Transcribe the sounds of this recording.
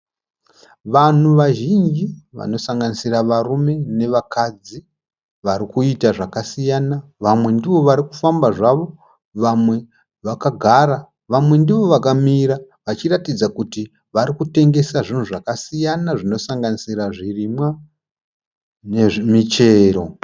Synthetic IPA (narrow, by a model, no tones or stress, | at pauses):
ʋan̤uʋaʒind͡ʒiʋa̰no̞saŋɡanisiraʋarume̞ne̞ʋakad͡zi | ʋaɾikuitaʐakasijanaʋamwe̞ndiʋo̞ʋaɾikufambaʐaʋo̞ | ʋamwe̞ | ʋakaɡʱaɾa | ʋamwe̞ndiʋo̞ʋakamiɾa | ʋat͡ʃiratid͡zakuti | ʋaɾikute̞ŋɡe̞saʐin̤uʐakasijanaʐino̞saŋɡanisiɾaʐirimwa | neʐimit͡ʃe̞ːɾo̞